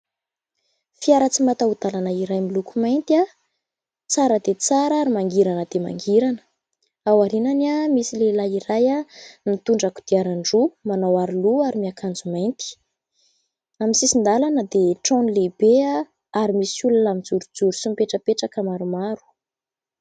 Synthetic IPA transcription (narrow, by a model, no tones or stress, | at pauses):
fiaɾət͡simat̪aud̪̥alanəiɾajmilukumajnt̪ia | t͡saɾəd̪et͡saɾaɾimaŋɡiɾanəd̪ema̰ŋɡiɾanə̥ | awaɾinanamisilelaiɾajanit̪uɳɖ͡ʐaku̥d̪iaɾaɳɖ͡ʐumanawaɾiluaɾimiakʰand͡zumajnt̪i̥ | aminsisind̪alanəd̪eʈ͡ʂõnlebea | aɾimisulalamid͡zuɾud͡zuɾusumpeʈ͡ʂəpeʈ͡ʂakəmaɾumaɾu̥